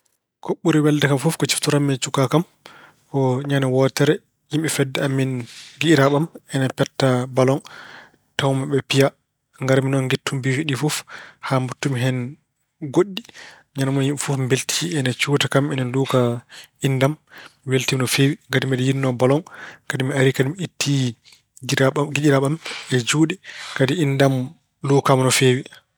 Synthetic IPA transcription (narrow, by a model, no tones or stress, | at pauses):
koɓːuɾiwɛldɛkamfɔfkɔt͡ʃi̥ftuɾamːɛt͡ʃukakam | kɔɲanawɔtɛɾɛ | jimɓifɛdːɛamːinɡiɾaɓamɛnapɛtːabalɔn | tawmaɓɛpija | ŋɡaɾminɔnɡetːumbifiɗifɔfhambutːumiɦɛn | ɡoɗːi | ɲanamɔjifufmbeltʰiɛnat͡ʃuːtakamɛnaluːkaindamweltimnɔfeːwiŋɡadimɛɗɛjinːɔbalɔŋkadimiaɾikadimiitːi | ɡiɗiɾaɓamɛd͡ʒuːɗɛkadiindam | luːkamnɔfeːwi